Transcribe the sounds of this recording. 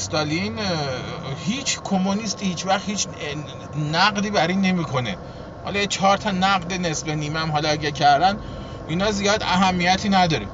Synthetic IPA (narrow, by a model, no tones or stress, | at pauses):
st̪ɒlin | hiːt͡ʃʰkʰomonist̪ʰihiːt͡ʃvæχhiːt͡ʃ | næɢd̪iːbæɾiːnːe̞miːkʰo̞nḛ | hɒ̰lɒet͡ʃʰɒːɾt̪ʰɒnæɣd̪enesbeniːmeæmɦɒlɒæɟæɾcʰæɾd̪æn | inɒzijɒːd̪æ̰ɦæmːijæt̪ʰiːnæd̪ɒːɾim